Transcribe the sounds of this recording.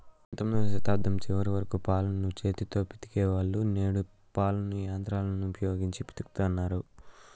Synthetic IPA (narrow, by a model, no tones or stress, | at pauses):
ɔnt̪ɐmloːʃɐt̪aːb̚d̪ʱɐmt͡ʃiʋɐɾiʋɐɾɐkupaːlɐnut͡ʃe̞ːt̪it̪o̞ːpi̥t̪i̥keːʋaːɭːuneːɽu | paːlɐnujaːnt̪ɾaːlɐnuːpʰɐjo̞ːɡiɲt͡ʃipi̥t̪i̥ku̥t̪uɐnːaːɾu